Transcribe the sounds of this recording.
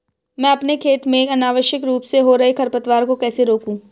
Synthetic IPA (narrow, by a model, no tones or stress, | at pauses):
mɛ̃ːɐpnekʰeːt̪mẽkɐnaːʋəʃjəkɾuːpseɦoɾɐɦekʰɐɾpət̪ʋaːɾkokɛːseɾoːkũː